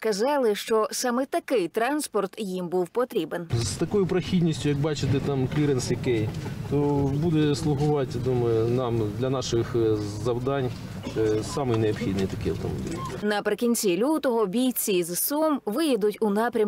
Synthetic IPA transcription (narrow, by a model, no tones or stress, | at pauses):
skɐzɑlˠɪʃt͡ʃɔsɑmɛt̪ɐkɪjt̪ɾɑnspɔrt̪jimbuwpɔt̪ɾʲibenst̪ɐkɔjʊpɾɐxʲidʲnʲisʲtʲʊjɐk̚bɑt͡ʃɪt̪ɪt̪ɑmklʲiɾensjɐkɛjt̪ɔbud̪ɛslˠʊɦʊʋɑtʲd̪umɐjʊnɑmd̪lʲɐnɑʃɪxzɐwd̪ɑnʲ | ɛsɑmɪjneɔpxʲid̪nɨjt̪ɐkɪjɐ̰wt̪ɔ̰mɔ̰b̰ʲilʲlʲnɐpɾɪkʲinʲt͡sʲilʲut̪ɔɦɔbʲijt͡sʲizsɔmʋɪjɛd̪ʊtʲʊnɑpɾʲɐm